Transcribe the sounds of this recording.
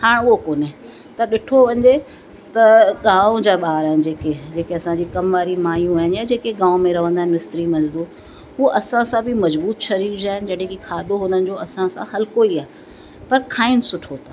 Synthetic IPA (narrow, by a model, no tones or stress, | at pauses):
haːɽ̃ʊɦokoːnɪ̃ | t̪ɐɗɪʈʰoʋɐ̃ɲd͡ʑe | t̪ɐɠãːʊ̃d͡ʑaːɓaːɦɾaːɦɪnd͡ʑeːked͡ʑeːkeɐsãɲd͡ʑiːkɐmʋaːɾimaːjũaːɦɪnjaːd͡ʑeːkeɠãːʊ̃mẽɾɐʋ̤ə̃nd̪aɦɪ̃nɪst̪ɾimɐzd̪uː | ɦuʔɐsãsãbʱɪmɐzbuːt̪ʃʰɐɾiɾd͡ʑaːɦɪnɪ̆d͡ʑɐɽɦẽkikʰaːd̪oɦʊnənɪ̆d͡ʑoɐsãsãhɐlkoiaːɦɪ | pɐɾkʰaːɪnsʊʈʰot̪aː